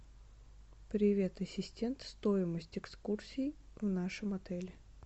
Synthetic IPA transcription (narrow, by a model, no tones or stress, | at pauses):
pɾʲɪvʲe̞t̪ɐsʲɪsʲtʲe̞nt̪st̪oɪməsʲtʲɪkskursʲiːvnaʂɨmɐt̪ɛlʲɪ